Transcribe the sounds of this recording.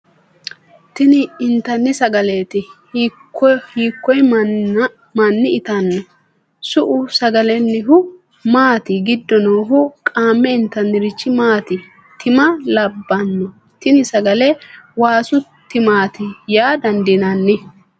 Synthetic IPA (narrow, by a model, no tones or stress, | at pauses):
t̪ɪnɪɪnt̪ːɐnːɪsɐɡɐleːt̪ɪ | hiːkːɔj | mɐnːɪɪt̪ɐnːɔ | sʊʔʊsɐɡɐlɛnːɪɦʊ | maːt̪ɪɡɪd̪ːɔnoːɦʊkʼaːmːɛɪnt̪ːɐnːɪɾɪt͡ʃːɪmaːt̪ɪ | t̪ɪmɐlɐbːɐnːɔ | t̪ɪnɪsɐɡɐlɛwaːsʊt̪ːɪmaːt̪ɪjaːd̪ɐnd̪ɪnɐnːɪ